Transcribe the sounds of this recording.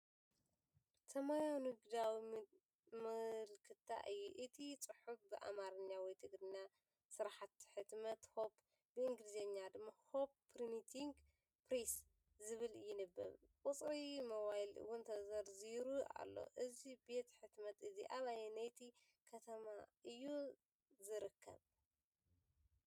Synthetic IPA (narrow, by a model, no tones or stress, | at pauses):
t̪ʰɐmajawnɨɡd̪awi | mɨlkʰɨt̪ʰːa̰ʔɨjːuʔɨt̪ʰit͡sʼɨħufbɨʔa̰maɾɐɲːawɔjt̪ʰɨɡɾɨnːa | sɨɾaħat̪ħɨt̪mɐt̪ho̞p | bɨɨŋɡlizeɲːad̪ɨmːahopːɾinit̪ʰiŋɡ | pɾes | zɨβɨljɪnɨbːɐ̰βkʼʊt͡sʼɾimoβajlɨ̰wʊnt̪ʰɐzɐɾziɾua̰lːo̞̰ʔɨzibe̞t̪ħɨt̪mɐt̪ɨziʔaβajenajt̪ʰi | kʰɐt̪ʰɐmaʔɨjːu | zɨɾɨkʰːɐ̰β